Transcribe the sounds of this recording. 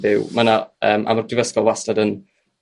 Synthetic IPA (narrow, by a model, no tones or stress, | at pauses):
vɪwmanaəːmʔa̰mɔrdɪvəskɔlˠwastadən